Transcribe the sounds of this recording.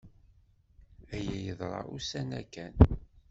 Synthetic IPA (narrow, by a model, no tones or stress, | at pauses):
æjæjəðˤɾˤɑ̰usænækːæn